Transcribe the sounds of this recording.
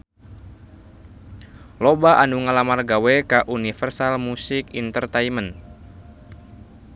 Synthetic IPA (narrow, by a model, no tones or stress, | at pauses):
lobaʔanuŋalamarɡawɛkaʔunifərsalmusɪkint̪ərt̪ajmən